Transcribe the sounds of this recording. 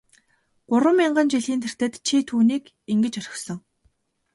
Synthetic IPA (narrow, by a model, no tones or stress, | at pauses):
ɢ̥ʊɾwə̆miɴɢə̆nt͡ɕiɮiːnt̪ʰer̥t̪ĕːt̪t͡ɕʰit̪ʰuːniːk | iŋɡɘ̆t͡ɕœɾʲɪ̥̆xsɞ̆ŋ